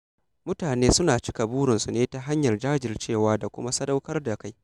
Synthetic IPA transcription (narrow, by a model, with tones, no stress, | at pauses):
mʊ˦taː˨neː˦sʊ˦naː˨t͡ʃɪ̥˦ka˨buː˦ɽɪ˨nsu˨neː˦ta˨ɦa˦ɲjɐ˨rd͡ʒaː˦d͡ʒɪ˨rt͡ʃeː˦˨waː˦da˨kʷʊ̰˦ma˦sɐ˦da˦wkɐ˦rda˨ka˦j